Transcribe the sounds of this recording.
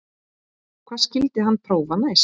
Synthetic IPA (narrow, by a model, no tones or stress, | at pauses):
kʰvḁːscɪlt̪ɪɦanːpʰɾoːwvanaes